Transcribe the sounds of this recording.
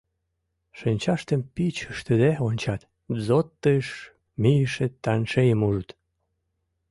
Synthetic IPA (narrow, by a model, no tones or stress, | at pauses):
ʃənʲt͡ɕɑʃt̪əmpit͡ɕəʃt̪əd̪eonʲt͡ɕɑt̪ | zot̪ːəʃ | mijəʃet̪ːɑnʃejəmuʒət̪